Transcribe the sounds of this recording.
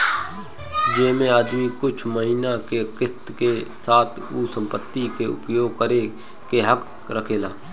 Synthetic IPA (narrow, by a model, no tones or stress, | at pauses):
d͡ʒeːmẽaːd̪mikʊt͡ʃʰməɦinakekɪst̪kesaːt̪ʰusə̃mpət̪ːikeʊ̰pjoːɡ̚kəɾe | keɦək | ɾəkʰeːlaː